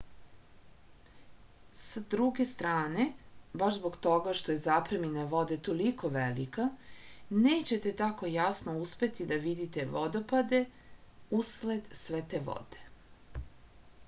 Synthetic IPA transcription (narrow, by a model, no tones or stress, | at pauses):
sad̪ɾuɡe̞st̪ɾaːne̞baʃzbo̞ɡt̪o̞ɡaʃt̪o̞jezapɾeminaʋo̞d̪e̞t̪o̞liko̞ʋelika | neːt͡ɕe̞t̪e̞t̪ako̞jasnouspe̞t̪id̪aʋid̪it̪e̞ʋo̞d̪o̞pad̪e̞ | usled̪sʋet̪eʋo̰d̪e̥